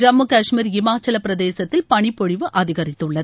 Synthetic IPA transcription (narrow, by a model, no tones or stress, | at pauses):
d͡ʒɐmːukɐːʂmiːɾɪmaːt͡ʃɐlɐpːɪɾɐðeːsɐt̪ːɪlpɐɳɪpːɔɻɪʋɯʔɐðɪɣɐɾɪt̪ːɯɭːɐð